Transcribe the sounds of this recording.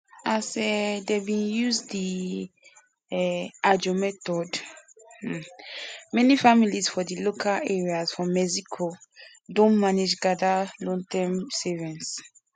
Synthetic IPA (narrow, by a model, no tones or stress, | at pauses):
asɛdebĩnjuzdi | ɛʔad͡ʒomɛtɔd̩ | mɛnifamilisfɔdilokʰalɛɹiazfɔmɛzikʰo | dõnmaned͡ʒɡadalɔ̃ŋtɛ̃msɛvɛ̃ns